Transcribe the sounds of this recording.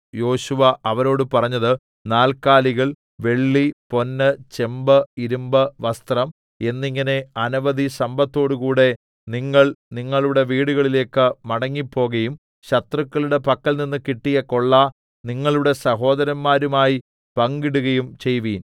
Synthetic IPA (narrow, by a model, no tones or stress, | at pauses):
jo̞ːɕuʋɐɐʋɐɾo̞ːɽɨpɐrɐɲːɐðɨ | naːlkaːliɣɐɭ | ʋe̞ɭːipo̞nːɨt͡ɕe̞mbɐiɾumbɐʋɐst̪rɐm | e̞nːiŋːɐne̞ɐnɐʋɐd̪isɐmbɐt̪ːo̞ːɽukuːɽe̞ | niŋːɐɭniŋːɐɭuɽe̞ʋiːɽuɣɐɭile̞ːkːɨmɐɽɐŋːipːo̞ːɣɐjum | ɕɐt̪rɐkːɐɭuɽe̞pɐkːɐlninːɨkiʈːijɐkːoɭːɐ | niŋːɐɭuɽe̞sɐɦo̞ːd̪ɐɾɐmːaːɾumaːji | pɐŋɡiɽuɣɐjumt͡ɕe̞jʋiːn